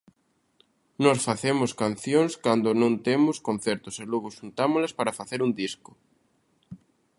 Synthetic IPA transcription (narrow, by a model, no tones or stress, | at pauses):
nɔsfaθemʊskanθjõŋskand̪ʊnõnt̪emʊskõn̟θeɾt̪ʊseloɣoʃunt̪amolɐspaɾafaθeɾund̪iskʊ